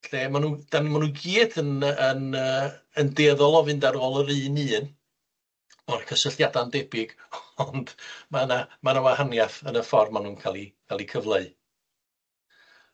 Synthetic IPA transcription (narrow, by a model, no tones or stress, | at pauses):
ɬɛmanuːd̥anmanuːɡiːdənənəː | əndeːðɔlˠɔvɨndaɾɔlˠəɾɨːniːn | ɔnkʰəsəɬjadandɛbɪɡɔnd̥manamanawahanjaθənəfɔrmanuːnkʰalˠikʰalˠikʰəvlˠeɨ